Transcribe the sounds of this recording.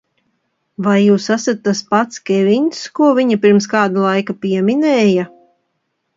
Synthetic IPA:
vajːuːsasat̪ːaspat̪skʲɛviɲskuɔviɲapiɾmskaːd̪alˠajkapiɛmʲinɛːja

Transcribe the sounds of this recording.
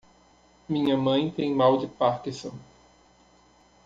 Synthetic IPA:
mĩɲɐmɐ̃j̃t̪ẽj̃mawd͡ʒɪpaɾkĩsõ

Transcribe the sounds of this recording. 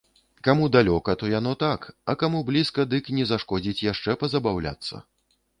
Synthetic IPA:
kamud̪alʲɔkɐt̪ɔjanɔt̪akɐkamublʲiskɐd̪ɨknʲɛzaʂkɔd͡zʲit͡sʲjaʂt͡ʂɛpɐzɐbawlʲa̰t̪sːɐ̰

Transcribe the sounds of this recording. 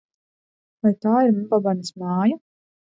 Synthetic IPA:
vajt̪aːiɾmumbabanismɑːja

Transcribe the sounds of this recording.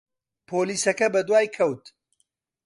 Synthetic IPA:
pʰoːliːsɐkɐbɐd̪waːjkʰɐwt̪

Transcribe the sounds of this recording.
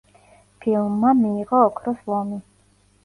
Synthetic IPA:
pʰilˠmːamiːʁɔːkʰɾɔslˠɔmi

